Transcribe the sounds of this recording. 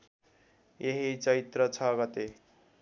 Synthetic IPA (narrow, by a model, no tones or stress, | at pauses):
jʔeɦit͡sʌɾit̪rʌt͡sʰʌɡʌt̪e